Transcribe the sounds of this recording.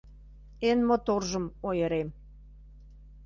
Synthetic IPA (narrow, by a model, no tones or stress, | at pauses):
enmot̪orʒə̆mojə̆ɾem